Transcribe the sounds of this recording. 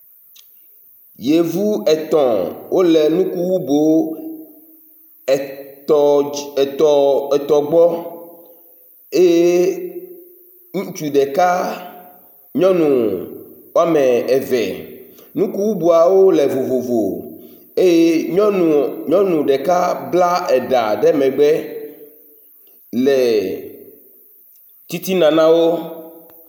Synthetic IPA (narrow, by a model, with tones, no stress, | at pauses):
je˨vu˦ɛ˨t̪ɔ̃˨wʔo˦le˨nũ˦ku˦wu˦bo˨ | t̪ɔ˨ɛ˨t̪ɔ˨ɡ͡bɔ˦ | e˦je˦ | ŋũ˦t͡ʃu˨ɖe˨ka˦ | ɲɔ̃˦nũ˨wa˦mɛ̃˨ɛ˨vɛ̰˨ | nũ˦ku˦bu˦bu˨a˨wo˦le˨vo˨vo˨vo̰˨ | e˦je˦ɔ˦˨ɲɔ̃˦nũ˨ɖɛ˨ka˦bla˦ɛ˨ɖa̰˨ɖɛ˦mɛ̃˨ɡ͡bɛ˦ | lɛ˨ | t̪i˦t̪i˦nã˨nã˦wo˦